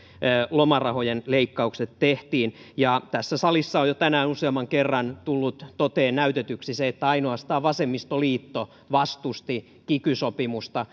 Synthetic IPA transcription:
lomɑrɑhojenleikːɑukset̪teht̪iːnjɑt̪æsːæsɑlisːɑojot̪ænæːnuseɑmːɑŋkerːɑnt̪ulːut̪t̪ot̪eːnnæyt̪et̪yksiseet̪ːæɑinoɑst̪ɑːʋʋɑsemːist̪oliːt̪ːo | ʋɑst̪ust̪i | kikysopimust̪ɑ

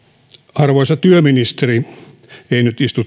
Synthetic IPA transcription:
ɑrʋoisɑt̪yøminist̪eri | einyt̪ist̪ut̪

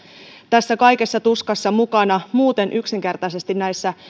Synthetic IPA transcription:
t̪æsːækɑjke̞sːɑt̪uskɑsːɑmukɑnɑmuːt̪e̞nʔyksiŋke̞rt̪ɑjse̞st̪innæjsːæ

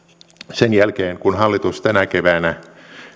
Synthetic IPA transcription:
senjælkeːŋkunɦɑlːit̪ust̪ænækeʋæːnæ

